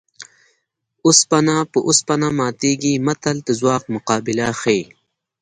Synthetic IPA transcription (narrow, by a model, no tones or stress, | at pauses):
uspɐnapəʔuspɐnamaːt̪iːɡimɐt̪ɐlt̪əzwɑːq̚mʊqɑːbilaxej